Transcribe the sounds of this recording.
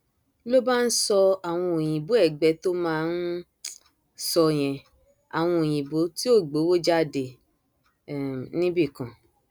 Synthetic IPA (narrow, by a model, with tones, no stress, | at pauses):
lo˦ba˦n̩˦sɔ˧a˨w̃ɔ̃˧o˨jĩ˨bo˨˦ɛ˦˨ɡ͡bɛ˨˧˦to˦mãː˦˧n̩˦ | sɔ˧j̃ɛ̃˨ | a˨w̃ɔ̃˧o˨j̃ĩ˨bo˨˦ti˦o˦˨ɡ͡bo˨˦wo˦d͡ʒa˦˨de˨ | nĩ˦bi˦˨kã˨